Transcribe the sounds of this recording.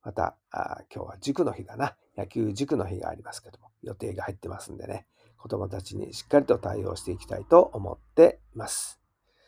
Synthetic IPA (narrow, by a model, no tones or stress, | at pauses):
mat̪a̰a̰kʲo̞ːβad͡ʑɨkɯ̟no̞çiɡana | jakʲɨːʑɨkɯ̟no̞çiɡa̰ːɾʲimasɨ̥ke̞d̪omo̞jo̞t̪e̞ːɡahait̪ːe̞masɨ̃nd̪e̞ne̞̰ | ko̞d̪o̞mo̞t̪at͡ɕiɲ̟ḭɕi̥kːaɾʲit̪o̞t̪aio̞ːɕi̥t̪e̞ikʲi̥t̪ait̪o̞ʔomo̞̰t̪ːe̞ | masɨ̥